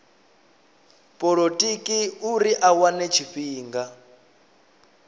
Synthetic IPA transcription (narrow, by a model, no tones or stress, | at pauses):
pʼɔɺotʼikʼiuɾiʔawanɛt͡ʃʰiɸiːŋɡa